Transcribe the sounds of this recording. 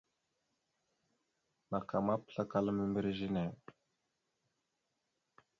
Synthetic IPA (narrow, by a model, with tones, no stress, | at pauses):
ma˨qa˨ma˦pɬa˦ka˨lə˦mimi˦ɾʒine˨